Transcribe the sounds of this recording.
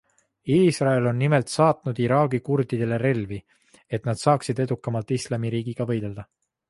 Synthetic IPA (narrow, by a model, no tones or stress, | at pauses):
iːsrɑe̞lo̞nːime̞lt̪sɑːt̪nud̪̥iɾɑːɡikurd̪̥id̪e̞le̞ɾe̞lvi | e̞t̪ˑnɑd̪̥sɑːksid̪e̞d̪ukːˑɑmɑlt̪ːˑislɑmiɾiːɡ̥iɡ̥ɑvɤ̞jd̪e̞ld̪̥ɑ